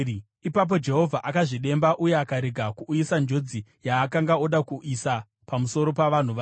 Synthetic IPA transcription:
ipap̬o̞d͡ʒe̞ɦo̞vʱaʔakaʐiɗe̞mbaʔuje̞akaɾeɡʱakuːjisand͡ʒo̞d͡zijaːkaŋɡaoɗakuʔisa | pamuso̞ɾo̞paʋan̤uʋa

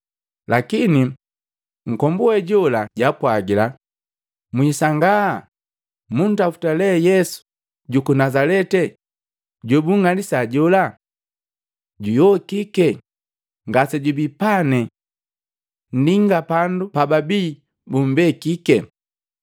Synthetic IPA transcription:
lakini | ŋ̩kɔmbuwɛɟɔlaɟapwaɡila | mwisaŋɡa | mun̩tafu̥talɛjɛsu̥ | ɟukunazalɛtɛ | ɟɔbuŋŋalisaɟɔla | ɟujɔkikɛ | ŋɡasɛɟubipanɛ | n̩diŋɡapandupababiː | bum̩bɛkikɛ

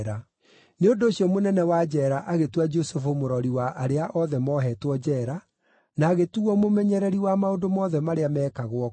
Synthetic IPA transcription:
ɾa | neondoːɕiɔmonɛnɛwad͡ʒɛɾaʔaɣetuad͡ʒosefomoɾɔɾiwaʔaɾeaʔɔðɛmɔɦɛːtwɔd͡ʑɛɾa | naːɣetuɔmomɛɲɛɾɛɾiwamaodomɔðɛmaɾeamɛːkaɣwɔ

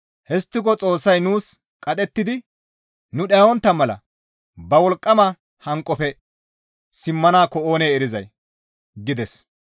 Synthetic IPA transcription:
hɛst̪ːɪkɔt͡sʼo̞ːsːɐjnuːs | kʼɐt̪ʼɛt̪ːɪd̪ɪ | nʊɗɐɔnt̪ːɐmɛlɐ̰ | bɐwɔlkʼːɐmɐ | hɐŋkʼːɔpɛ | sɪmːɐnaːkːɔoːneːɛɾɪzɐ̰j | ɡɪd̪ɛs

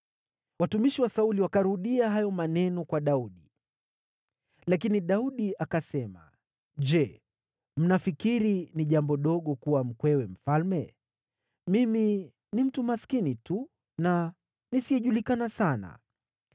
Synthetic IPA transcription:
watumiʃiwasauliwakaɾuɗiaɦajɔmanɛnɔkwaɗauɗi | lak̬iniɗauɗiʔakasɛma̰ | d͡ʒɛ | m̩nafikiɾiniʄambɔɗɔɠɔkuwam̩kwɛwɛm̩falmɛ | mimi | nim̩tumaskinitu | na | nisijɛʄulikanasana̰

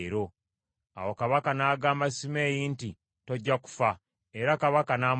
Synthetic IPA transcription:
ɾo̞ | a̰wokaβakanaːɡaːmasime̞ːjiːnti | toɟːaku̥fa | eɾakaβakanaːm

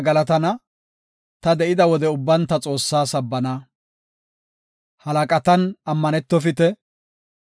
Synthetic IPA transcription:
ɡɐlɐt̪ɐnɐ | t̪ɐd̪ɛʔɪd̪ɐwɔd̪ɛʊbːɐnt̪ːɐt͡sʼo̞ːsːaːsɐbːɐnɐ | hɐlɐkʼɐt̪ɐnɐmːɐnɛt̪ːɔfɪt̪ɛ

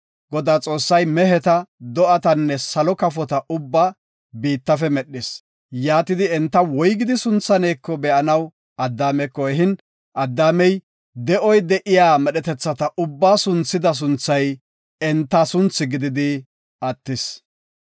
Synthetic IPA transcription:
ɡ̥ɔd̪aːt͡sʼo̞ːsːɐjmɛɦɛt̪ɐd̪ɔʔɐt̪ɐnːɛsɐlɔkɐfɔt̪ɐʔʊbːa | biːt̪ːɐfɛmɛɗːɪs | jaːt̪ɪd̪ɪɛnt̪ːɐwɔjɡɪd̪ɪsʊnt͡sːɐneːkːɔbɛʔɐnɐw | ɐd̪ːaːmɛkːɔɛɦɪn | ʔɐd̪ːaːmɛj | d̪ɛʔɔjd̪ɛʔɪjaːmɛɗɛt̪ɛt͡sːɐt̪ɐʔʊbːaːsʊnt͡sːɪd̪ɐs̬ʊnt͡sːɐj | ɛnt̪ːɐsʊnt͡sːɪɡɪd̪ɪd̪ɪ | ɐt̪ːɪs

